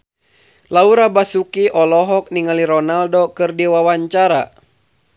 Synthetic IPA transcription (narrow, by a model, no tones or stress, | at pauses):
lauɾabasukiʔɔlɔɦɔk̚niŋaliɾɔnaldɔkɨrdiwawaɲt͡ʃaɾa